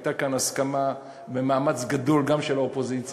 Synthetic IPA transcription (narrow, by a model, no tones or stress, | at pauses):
takanaskama | be̞maːmat͡sɡad̪o̞lɡamʃe̞laopo̞zit͡s